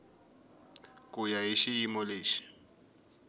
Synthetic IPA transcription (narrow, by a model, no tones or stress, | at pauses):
kʼʊjaɦeʃiimɔleːʃi̥